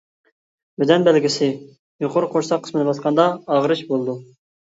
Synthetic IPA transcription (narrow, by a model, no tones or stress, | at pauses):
bɪd̪ɛnbɛlɡʲisɪ | joqʰoɾqʰoʃsɑqʰːə̥smɪnɨbɑt̪qʰɑnd̪ɑɑʁɾɨʃbolˠd̪u